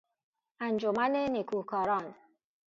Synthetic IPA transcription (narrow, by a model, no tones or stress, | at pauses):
and͡ʒomanenikʰuhkʰɔːɾɔn